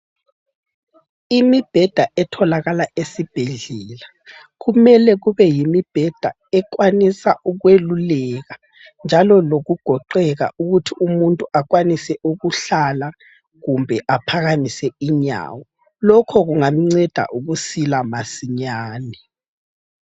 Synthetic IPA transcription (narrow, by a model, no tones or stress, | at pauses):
imib̥ʱɛd̥ʱaʔɛtʰɔlaɣalaʔesib̥ʱeɮɛːla | ɣumɛlɛɣuβɛjimib̥ʱɛd̥ʱa̰ | ɛk̬wanisaʔuɣwelulɛɣa | nd͡ʒʱalɔloɣuɡ̥ʱɔǃɛɣa̰ʔuɣutʰiumuntʼuaɣwanisɛuɣuɬala | ɣumbʱɛʔapʰaɣamisɛiɲa̰ːwɔ | lɔkʰɔɣuŋam̩ŋ͡ǀɛd̥ʱa̰ʔuɣusilamasiɲaːni